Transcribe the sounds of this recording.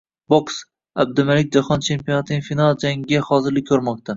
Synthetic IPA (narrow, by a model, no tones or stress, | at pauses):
boks | ab̚d̪ɪmalɪk̚ʲd͡ʒahɒnt͡ʃʰe̞mpijonat̪ʰɪnɪŋʲfinalˠd͡ʒaŋɡʲahɒzɪɾlɪkʲʰːɵɾmɒq̚t̪ʰa